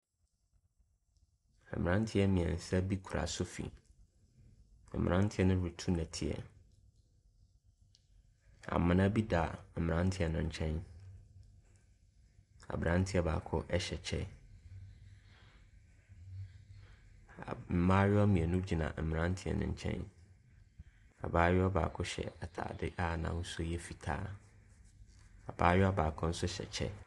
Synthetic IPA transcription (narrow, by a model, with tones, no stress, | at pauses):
mɪ˨ã˦n˦tʰɪ˦ɛ˦mĩ˨ɛ̰̃˨n̩˨sɛ˦bi˦kʰu˨ɾa̰˨sʊ˦fḭ˨ | m̩˨m̰̃˨ɾã˦n˦tʰɪ˦ɛ˦nʊ̃˦ɾi˨tʰu˦nɛ̃˨tʰɪ˨ɛ̰˨ | a̰˨mã˨nã˦bi˦da˨m̩˨mɪ˨ã˦n˦tʰɪ˦ɛ˨nʊ̃˨ɲ̩˨t͡ɕʰɛ̃˦n | a̰˨bɾã˦n˦tʰɪ˦ɛ˨˦ba̰ː˨kʰʊ̰˦ʔɛ˦ɕɛ˨t͡ɕʰɛ̰˦ | a˨m̩˨mã˦ɥɔ˦mĩ˨ɛ˨nʊ̃˦d͡ʑi˨nã̰˨m̩˨m˨nã˦n˦tʰɪ˦ɛ̰˨nʊ̰̃˨ɲ˨t͡ɕʰɛ̰̃˦n | a̰˨baː˦ɥɔ˦a˦ba̰ː˨kʰʊ˦ɕɛ̰˨a˨tʰa̰ː˨dɪ˦ʔa˦˨nã̰˨n̩˦sʊ˦jɛ˦fi˨tʰa̰ː˦ | a˨b̥aː˦jɔ˦a˦baː˨kʰʊ̃˦n̩˦sʊ˦ɕɛ̰˨t͡ɕʰɛ̰˦